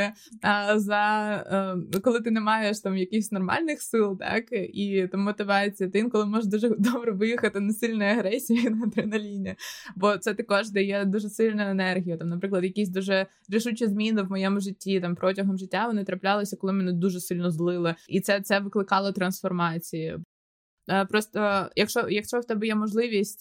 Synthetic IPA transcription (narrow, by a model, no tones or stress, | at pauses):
ɐzɐ | kɔlˠɪt̪ɪnɛmɑjeʃt̪ɑmjɐkixsʲnɔrmɑ̰lʲnɪxsɪlˠt̪ɑ̰kit̪ammːɔt̪ɪʋɑt͡sʲijɐt̪ɪinkɔlˠɪmɔʒd̪uʒɛd̪ɔbɾɛʋɪjixɐt̪ɪnɐsɪlʲnɔjɐɦɾɛsʲijinɐt̪ɾɪnɐlʲinʲibɔt̪sɛt̪ɐkɔʒd̪ɛjɛd̪uʒɛsɪlʲnʊjɛnɛrɦʲijʊt̪ɑmnɐpɾɪklˠɐd̪jɐkʲisʲd̪uʒɛ | ɾʲɪʃut͡ʃizmʲinɪwmɔjɛmʊʒɪtʲːit̪ɑmpɾɔtʲɐɦɔmʒɪtʲːaʋɔnɪt̪ɾɐplʲalˠɪsʲɐkɔlˠɪmɛnɪd̪uʒɛsɪlʲnɔzlˠɪlˠɪit̪sɛt̪sɛʋɪklˠɪkɑlˠɔt̪ɾɐnsfɔrmɑt͡sʲiji | pɾɔst̪ɔjɐkʃt͡ʃɔjɐkʃt͡ʃɔwt̪ɛbɛjɛmɔʒlˠɪʋʲisʲtʲ